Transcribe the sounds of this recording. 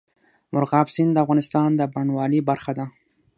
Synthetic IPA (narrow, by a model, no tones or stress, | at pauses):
mʊɾɣɑbsind̪əafɣɑnɪst̪ɑnd̪əbaɳwɑlibaɾxad̪a